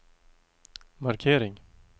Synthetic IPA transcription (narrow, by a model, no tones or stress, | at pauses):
maɾkʰeːɾɪŋ